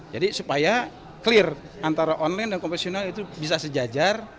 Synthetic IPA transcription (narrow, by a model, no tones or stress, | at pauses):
d͡ʒadisupaja | kəlɪr | ant̪aɾaʔɔnlajndankɔmfɛsionalit̪ubisasəd͡ʒad͡ʒar